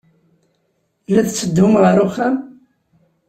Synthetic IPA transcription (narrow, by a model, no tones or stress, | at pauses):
lːæðt͡sːəd̪ʊmʁəɾuχæm